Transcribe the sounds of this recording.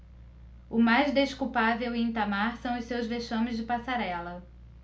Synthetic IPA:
ʊmajzd̪eʃkupaveweĩt̪amaɾsɐ̃w̃ʊssewzveʃɐ̃mɪzd͡ʒɪpasaɾɛlɐ

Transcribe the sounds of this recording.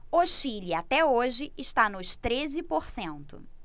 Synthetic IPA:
oʃiliat̪ɛoʒɪɪʃt̪anʊʃt̪ɾezɪpoɾsẽnt̪ʊ̰

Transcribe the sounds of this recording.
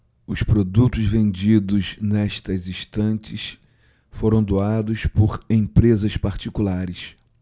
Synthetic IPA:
ʊspɾod̪ut̪ʊzvẽnd͡ʒid̪ʊznɛʃt̪ɐzĩst̪ɐ̃nt͡ʃɪs | foɾɐ̃w̃d̪oad̪ʊspoɾẽj̃pɾezɐspaɾt͡ʃikulaɾɪs

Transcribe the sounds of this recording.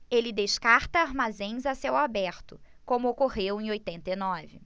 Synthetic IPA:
elɪd̪eʃkaɾt̪ɐaɾmazẽj̃zasewabɛɾt̪ʊ | kõmʊokoʁewẽj̃ojt̪ẽnt̪ɐinɔvɪ

